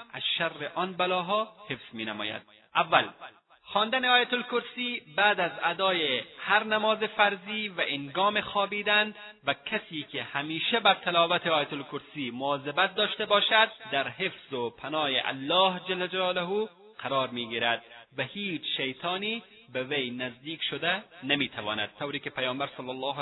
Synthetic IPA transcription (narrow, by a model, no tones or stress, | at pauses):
a̰z̥ʃarːeʔɒnbalɒːɦɒːhefz̥miːnamɒ̰ːja̰d̪̥̚ | ʔavːæl | xɒːnd̪aneɒːjat̪olkʊɾsiːbæːd̪æzad̪ɒːjehaɾnamɒːzefæɾziːvæʔenɡɒːmexɒːbiːd̪ænvækʰasiːkʰehæmiːʃebæɾt̪ʰalɒːvæt̪ʰeɒːjat̪olkʊɾsiːmʊɒːzebæt̪̚d̪ɒːʃt̪ebɒːʃad̪̚d̪aɾɦefz̥opʰanɒːjeʔa̰lːɒːhd͡ʒalːad͡ʒalɒːlaɦu | qʰaɾɒːɾmiːɡiɾad̪̚vahiːd͡ʒʃajt̪ʰɑːniː | bevajnazd̪iːkʃod̪anamiːt̪ʰavɒ̰ːna̰d̪̚t̪ʰːawɾiːkepajɑːmbaɾsɑlːalːɑːɦ